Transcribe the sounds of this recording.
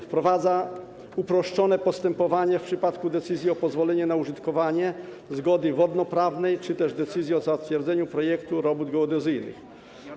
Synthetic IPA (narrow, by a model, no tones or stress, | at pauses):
fpɾɔvad̪za | upɾɔʂt͡ʂɔnɛpɔst̪ɛmpɔvaɲɛfpʂɘpat̪kud̪ɛt̪sɘzʲjiɔpɔzvɔlɛɲɛnauʐɘt̪kɔvaɲɛ | zɡɔd̪ɘvɔd̪nɔpɾavnɛjt͡ʂɘt̪ɛʐd̪ɛt̪sɘzʲjɛɔzat̪fʲjɛɾd̪zɛɲupɾɔjɛkt̪uɾɔbud̪ɡɔɔd̪ɛzɘjnɘ̰x